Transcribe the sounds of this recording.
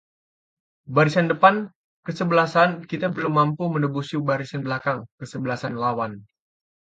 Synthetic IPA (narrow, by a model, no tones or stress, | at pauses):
baɾisandəpan | kəsəbəlasankit̪abərlumːampumənəbusibaɾisanbəlakaŋkəsəbəlasanlawan